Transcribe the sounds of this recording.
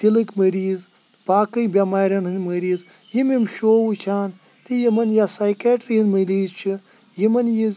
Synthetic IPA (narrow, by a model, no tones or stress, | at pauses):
t̪ilɨkʲmɐɾiːz | paːkɨjbʲamaːɾʲɐnɦɨnʲmɐɾiːz | jimʲimʃoːwut͡ʃʰaːn | t̪ijimɐnjasaːjkaːʈɾiɦɨnʲmɐliːzt͡ʃʰi | jimɐnjiz